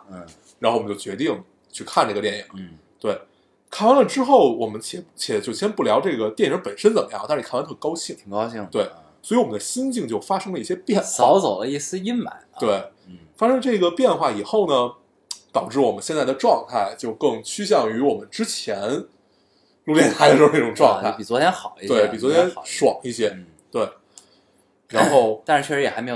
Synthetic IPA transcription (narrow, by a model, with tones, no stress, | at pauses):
ɻa˧˥nxo˥˩wt͡ɕo˥˩ʊt͡ɕɥɛ˧˥t̪i˥˩ŋ | t͡ɕʰy˥˧kʰa˥˧nʈ͡ʂɤ˥˩ɡə˩t̪jɛ˥˩ni˨˩˦ŋ | t̪we˥˩ɪ | kʰa˥˩wa˥nlə˧˩ʈ͡ʂɻ̩˥xo˥˩ʊwɔ˨˩mə˦nt͡ɕʰjɛ˧˥˩t͡ɕʰjɛ˧˥t͡ɕjo˥˩ʊt͡ɕʰi˩jɛ˥npu˥˩ljɑ˧˥ʊʈ͡ʂɤ˥˩ɡə˩t̪jɛ˥˩nɻə˧˥ŋpə˨˩nʂə˥nt͡sə˨˩mə˦jɑ̰˥˩ŋt̪a˥˧˥a˥nt̪ʰkɑ˥ʊɕʰi˥˩ŋ˨˩˥i˥˧t̪we˥˩ɪ | swɔ˧˥i˧˥wɔ˨˩mə˦nd̪ə˦ɕi˥nt͡ɕi˥˧ŋt͡ɕjo˥˩ʊfa˥ʂɤ˥ŋlə˧i˥˩ɕjɛ˥pjɛ˥˩nsɑ˧˥ʊt͡so˨˩ʊd̪ə˦i˥˩sɹ̩˥i˥nma̰˨˧˩t̪we˥˩ɪfa˥ʂɤ˥ŋ˧ʈ͡ʂɤ˥˩ɡə˩pjɛ˥˧nxwa˥˩i˨˩xo˥˩ʊnə˩ | t̪ɑ˨˩ʊʈ͡ʂɻ̩˥˩wɔ˨˩mə˦nɕjɛ˥˧nt͡sa˥˩ɪd̪ə˩ʈ͡ʂwɑ˥˧ŋt̪ʰa˥˧ɪt͡ɕjo˥˧ʊkɤ˥˧ŋt͡ɕʰy˥ɕjɑ˥˩ŋy˧˥wɔ˨˩mə˦nʈ͡ʂɻ̩˥t͡ɕʰjɛ˧˥n | lu˥˧ljɛ˥˩nt̪ʰa˥˧˩n˥˩ʈ͡ʂʊ˨˩ŋʈ͡ʂwɑ˥˧ŋʰa˥˩ɪpi˨˩t͡swɔ˧˥t̪ʰjɛ˥nxɑ˨˩ʊi˥t̪we˥˩ɪpi˨˩t͡swɔ˧˥t̪ʰjɛ˥n˧ʂwɑ̰˨˩ŋi˥˩ɕjɛ˥ | t̪we˥˩ɪ | ɻa˧˥nxo˥˩˧ʊt̪ʂɻ̩˥˧t͡ɕʰɥɛ˥˩ɻ̩˧˥jɛ˨˩a˧˥ɪm˧˥˩